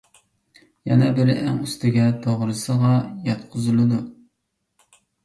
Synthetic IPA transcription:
jɛ̰nɛbɪɾɪʔæŋyst̪ɪɡʲɛt̪ʰoʁɾɨsəʁɑjɑt̪qʰʊzɨlˠɨd̪u

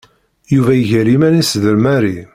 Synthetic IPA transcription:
juvæjəʝəɾimænisðəɾmæɾi

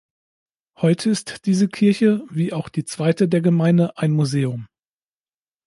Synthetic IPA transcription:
hɔʏtʰəɪstd̥iːzəkʰɪɐçəviːʔaʊxd̥iːt͡sv̥aɪtədeːɐɡəmaɪndəʔaɪnmuzeːʊm

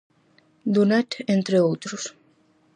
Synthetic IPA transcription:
d̪unat̪ent̪ɾeowt̪ɾus

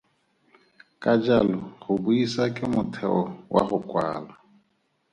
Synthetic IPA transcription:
kʼad͡ʒalɔɣʊbuisakʼɪmʊtʰɛɔwʔa̰ɣʊkʼwa̰ːla

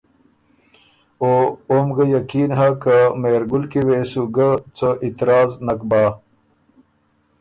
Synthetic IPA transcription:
ooːmɡɐjɐkiːnɦakəmeːɾɡulkiweːsuɡət͡səʔit̪ɾaːznɐk̚baː

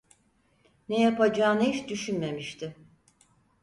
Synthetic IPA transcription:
nɛjapad͡ʒaːnɯɦit͡ʃd̪yʃynme̞miʃt̪ʰɪ

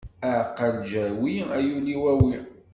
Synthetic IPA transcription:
əʕqːəld͡ʒæwiæjuliwæwi

